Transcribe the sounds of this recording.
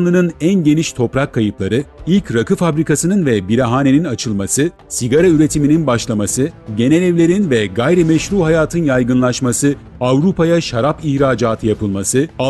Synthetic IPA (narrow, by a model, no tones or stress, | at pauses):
nlˠɯnɯnænɟe̞niʃt̪ʰo̞pɾakʰːajɯplˠaɾɯilʲcɾakʰɯfabɾikʰasɯnɯnvɛbiɾaɦaːne̞ninat͡ʃʰɯlˠmasɯ | siɡaɾayɾe̞t̪ʰimininbaʃlˠamasɯɟe̞nelʲɛvlʲe̞ɾinvɛɡajɾɛmɛʃɾuːɦajaːt̪ʰɯnjajɡɯnlˠaʃmasɯ | avɾupʰajaʃaɾapiçɾaːd͡ʒaːt̪ʰɯjapʰɯlˠmasɯ